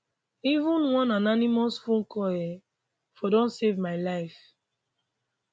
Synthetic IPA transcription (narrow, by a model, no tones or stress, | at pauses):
ivũnwɔ̃nananimɔsfũn̩kɔjɛ | fɔdɔ̃nsevmaɪlaɪf